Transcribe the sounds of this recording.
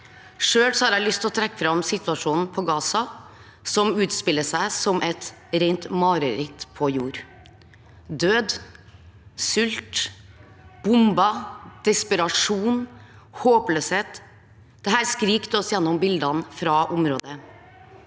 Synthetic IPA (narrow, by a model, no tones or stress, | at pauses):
ʂøːlsɔhɑːɾæɪlʏst̪ɔt̪ʰɾɛkːəfɾɑmsɪt̪ʉɑʂuːnn̩pʰɔɡɑːsɑ | sɔmʉːt̪spɪlːəʂæɪsɔmʔɛt̪ | ɾeɪnt̪mɑːɾəɾɪt̪pʰɔjuːɾ | d̪øːd̪ | sʏlt̪ | b̥ʊmbɑd̪̥ɛspəɾɑʂuːn | hoːpløːsheːt̪ | d̪̥ɛɦæːɾskɾiːkt̪ɔsjɛnːɔmbɪld̪ɑnfɾɑʔʊmɾoːd̪ə